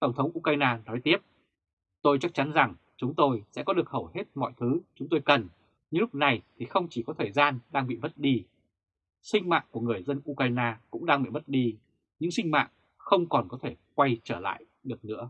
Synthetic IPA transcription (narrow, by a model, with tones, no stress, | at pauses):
t̪ə˧˩wŋ͡mt̪ʰə˨˦wŋ͡mʔu˧kaː˧jnaː˧nɔ˨˦jt̪i˦˥əp̚ | t̪o˧jt͡ɕa˦˥k̚t͡ɕa˨˦nza˨˩ŋ | t͡ɕʊ˨˦ŋ͡mt̪o˧jsɛ̰˧˥kɔ˨˦ɗɨ˨˩ək̚hə˧˩whe˦˥t̚mɔ̰˧˨jt̪ʰɨ˨˦t͡ɕʊ˨˦ŋ͡mt̪o˧jkə˨˩n | ɲɨ̰˧˥lʊ˦˥k͡p̚na˨˩jt̪ʰi˨˩xə˧wŋ͡mt͡ɕi˧˩kɔ˨˦t̪ʰəː˨˩jzaː˧nɗaː˧ŋɓḭ˧˨mə˦˥t̚ɗi˧ | sï˧ŋ̟ma̰ː˧˨ŋku˧˩əŋɨ˨˩əjzə˧nʔu˧kaː˧jnaː˧kʊ̰˧˥ŋ͡mɗaː˧ŋɓḭ˧˨mə˦˥t̚ɗi˧ | ɲɨ̰˧˥ŋsï˧ŋ̟ma̰ː˧˨ŋ | xə˧wŋ͡mkɔ˨˩nkɔ˨˦t̪ʰe˧˩kwa˧jt͡ɕəː˧˩la̰ː˧˨j | ɗɨ˨˩ək̚nɨ̰˧˥ə